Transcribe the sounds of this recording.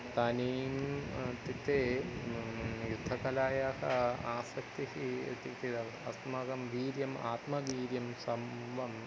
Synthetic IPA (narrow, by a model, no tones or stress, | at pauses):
t̪ɐniːmt̪it̪eː | jud̪ʱːɐkɐlaːjahɐaːsɐkt̪iɦit̪ikt̪iɐ | ɐsmɐɡɐmʋiːɾjɐma̰ːt̪mɐʋiːɾjɐmsɐmʋɐm